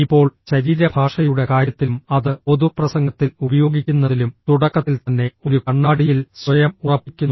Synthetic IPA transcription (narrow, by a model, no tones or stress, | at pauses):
ipːo̞ːɭɕɐɾiːɾɐbʱaːʂɐjuɽe̞kaːɾjɐt̪ːilmɐðɨo̞ðuprɐsɐŋɡɐt̪ːilubɐjo̞ːɡikʲːunːɐðilumt̪uɽɐkːɐt̪ːilt̪ɐnːe̞o̞ɾukɐɳːaːɽijilsʋɐjɐmurɐpːikʲːunː